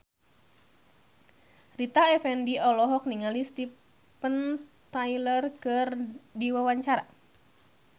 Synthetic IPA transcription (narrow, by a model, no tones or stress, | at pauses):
rit̪aɛfɛndiɔlɔɦɔk̚niŋalist̪i | pənt̪ailərkɨrdiwawaɲt͡ʃaɾa